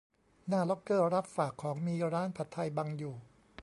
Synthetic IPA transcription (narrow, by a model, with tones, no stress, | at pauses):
naː˥˩lɔ˦˥kːɤː˥˩ɾa˦˥p̚faː˨˩kʰːɔː˩˦ŋmiː˧ɾaː˦˥npʰa˨˩t̪ʰːa˧jbaː˧ŋjuː˨˩